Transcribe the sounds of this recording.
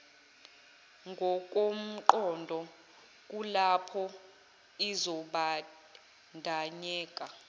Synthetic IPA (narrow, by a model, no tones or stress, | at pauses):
ŋɡʱɔk̬ʼom̩ǃɔndʱɔ | k̬ʼulapʰɔ | izɔɓa | ndʱaɲɛːkʼa